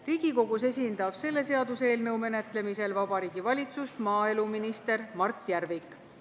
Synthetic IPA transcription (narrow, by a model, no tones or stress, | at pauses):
riːɡ̥iko̞ɡ̥use̞sʲind̪̥ɑb̥se̞lːe̞se̞ɑd̪use̞ːlnɤwme̞ne̞t̪ˑle̞mise̞lvɑb̥ɑɾiːɡ̥ivɑlʲit̪sust̪mɑːe̞luminist̪e̞ɾmɑrt̪ːˑjærvikˑ